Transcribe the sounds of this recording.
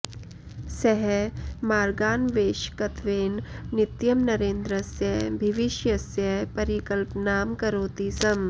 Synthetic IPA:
sɛɦɛmaːɾɡaːnʋeːʃkɐt̪ʰʋeːnnɪt̪jɐmnɐɾẽːnd̪ɾəsjɐɦbʱɪʋɪʃjɐsjɐɦpɐɾikəlpnaːmkɐɾoːt̪isɐm

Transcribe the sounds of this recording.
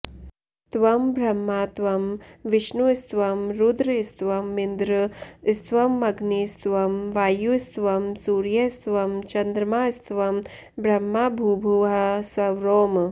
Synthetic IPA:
t̪ʋɐmbʱɾɐmːaːt̪ʋɐmʋiʃnust̪ʋɐmɾud̪ɾist̪ʋɐmːind̪ɾɨst̪ʋɐmːɐɡniːst̪ʋɐmʋaːjust̪ʋɐmsuːɾjɐst̪ʋɐmt͡ʃɐnd̪ɾɐmaːst̪ʋɐm | bʱɾɐmːaːbʱuːbʱuɦɐsʋɐʋɾoːm

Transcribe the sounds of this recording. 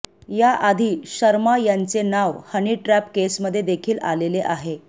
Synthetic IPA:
jaʔad̪ʱiːɕəɾmajant͡senaʋhəniːʈɾæpkesməd̪ʱːjed̪ekʰiːla̰leleʔaɦe

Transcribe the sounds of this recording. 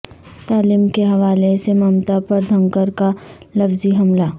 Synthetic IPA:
t̪aːliːmkeɦɐʋaːlesemɐːmt̪apɐɾd̪ʱɐ̃ŋkəɾka | lɐfziɦɐmla

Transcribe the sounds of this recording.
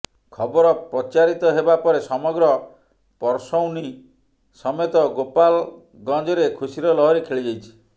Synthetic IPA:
kʰɔbɔɾɔpɾɔt͡ʃaɾit̪ɔɦebapɔɾesɔmɔɡɾɔ | pɔɾsɔwni | sɔmet̪ɔɡopal | ɡɔ̃nd͡ʒɔɾekʰusiɾɔlɔɦɔɾekʰeɭid͡ʒajt͡ʃʰi̥

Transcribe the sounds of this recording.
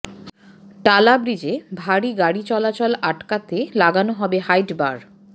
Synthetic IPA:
ʈalabɾid͡ʑebʱaɽiɡaɽit͡ɕɔlat͡ɕolaʈkat̪elaɡanoɦɔbehajʈba̰ɾ

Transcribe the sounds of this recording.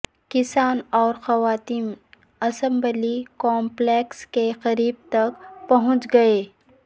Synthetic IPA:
kɪsaːnɔːɾxɐʋaːt̪iːn | ɐsə̃mbəlikɔ̃ːmpleːkskeqɐɾiːb̚t̪ɐkpɐɦʊ̃t͡ʃɡɐeː

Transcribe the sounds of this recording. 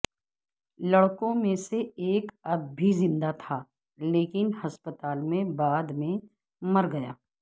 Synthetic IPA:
lɐɽkõmẽseeːkɐbbʱizɪ̃nd̪at̪ʰaː | leːkɪnhɐspət̪aːlmẽbaːd̪mẽ | mɐɾɡɐjaː

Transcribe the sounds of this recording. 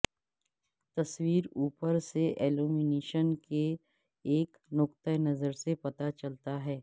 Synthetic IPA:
t̪ɐswiːɾuːpəɾseʔeːluːmɪneːʃənke | eːk | nʊkt̪ənɐzəɾsepɐt̪at͡ʃɐlt̪aɦɛː

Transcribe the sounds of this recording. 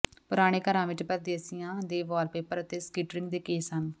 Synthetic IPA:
pʊɾaːɽ̃eːkəɾãːʋɪt͡ʃpəɾd̪eːəsijãːd̪eːʋɔːɾpeːpəɾət̪eːskiːʈɾɪ̃ŋɡ̚d̪eːkeːsɦən

